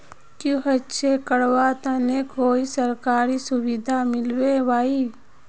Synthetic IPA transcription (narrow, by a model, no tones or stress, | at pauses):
kũɦətːʃʰekəɽwat̪ãnekoːisəɾkaːɾisʊwid̪ʱamɪlwewaːi